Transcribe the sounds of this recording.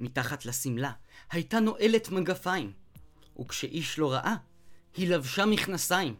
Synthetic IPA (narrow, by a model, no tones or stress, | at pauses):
mitaχatlasimlahajtano̞ʔe̞le̞tmaɡafaim | ʔṵkʃeʔiʃlo̞ʁaʔa | hilavʃamiχnasaim